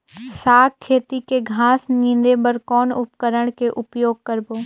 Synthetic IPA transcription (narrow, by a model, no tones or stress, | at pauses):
saːkkʰːeːt̪ikeɡʱaːsnĩnd̪ebəɾkɔːnʊpkəɾəɽ̃keʔʊpjoːɡ̚kəɾboː